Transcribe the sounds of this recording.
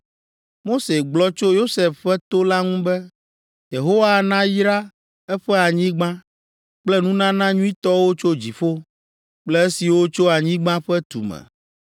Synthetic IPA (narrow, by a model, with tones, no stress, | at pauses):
mo˦se˨ɡ͡blɔ˦t͡ʃo˦jo˦sɛ˨fɸɛ˦t̪o˦la˦ŋũ˦bɛ˦ | je˨ɦo˦wa˦nã˦jɾa˦ | ɛ˦ɸɛ˦a˨ɲĩ˦ɡ͡bã˦ | k͡plɛ˦nũ˦nã˦nã˦ɲũ˦ĩ˦t̪ɔ˦wo˦t͡ʃo˦d͡ʑi˨fo˦ | k͡plɛ˦e˦si˨wo˦t͡ʃo˦a˨ɲĩ˦ɡ͡bã˦ɸɛ˦t̪ṵ˨mɛ̰˨